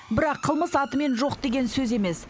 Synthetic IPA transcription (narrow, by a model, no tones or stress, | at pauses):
bɪɾɑqʰːəlˠməsɑt̪əme̞nʒo̞qd̪e̞ɡʲe̞nsɵze̞me̞s